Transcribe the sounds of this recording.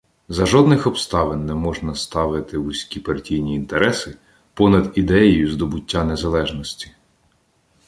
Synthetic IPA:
zɐʒɔd̪nɪxɔpst̪ɑʋɪnːɛmɔʒnɐst̪ɑʋɪt̪ɪʋʊsʲkʲipɐrtʲijnʲiːnt̪eɾɛsɪ | pɔnɐd̪id̪ɛjɔjʊzd̪ɔbʊtʲːanezɐlˠɛʒnɔsʲtʲi̥

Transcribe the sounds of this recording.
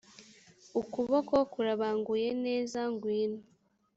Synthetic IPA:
ukuβokokuɾaβaːŋɡujeneːzaŋɡwiːni

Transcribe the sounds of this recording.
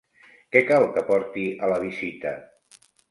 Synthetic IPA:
kɛkalˠkəpɔɾt̪iələβ̞izit̪ə

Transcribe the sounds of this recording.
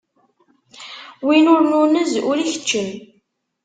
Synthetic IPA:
winʊɾnunəzʊɾiçə̥t͡ʃːəl

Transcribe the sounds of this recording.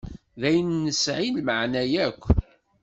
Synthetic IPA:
ðæjnːəsʕinməʕnæjækʷː

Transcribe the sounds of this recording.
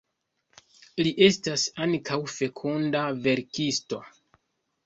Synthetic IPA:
liʔe̞stasaŋkʰawfe̞kʰundave̞ɾkisto̞

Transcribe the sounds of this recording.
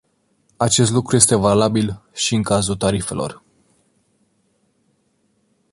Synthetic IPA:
at͡ʃe̞s̬t̪lukɾuje̞st̪e̞valabilʃiɨŋkazut̪aɾife̞̰lo̞̰r

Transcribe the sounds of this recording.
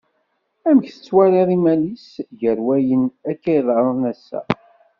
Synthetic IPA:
æmçθə̥t͡sːwæɾˤiðˤimælisʝəɾwæjənækːæjðˤɾˤənæsːæ̰

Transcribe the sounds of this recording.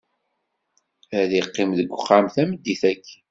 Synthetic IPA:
æðiqːɪmðəɡʷəχːamθæməd̪ːiθækː

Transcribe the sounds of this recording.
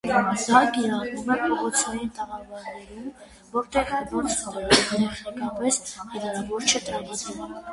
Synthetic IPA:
d̪ɑkiɾɑrumɛpʰɔʁɔt͡sʰɑjint̪əʁɑvɑɾnɛɾum | vɔɾt̪ɛʁvɔt͡sʰət̪ɛɾt̪ɛχnɛkɑpɛshɛɾɑɾɑvɔɾt͡ʃʰət̪ɾɑmɑt͡s̪ʰun

